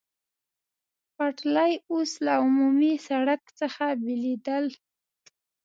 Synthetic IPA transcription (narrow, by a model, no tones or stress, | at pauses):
paʈlajoslaʊmumisaɽakt͡səxabɪlid̪əl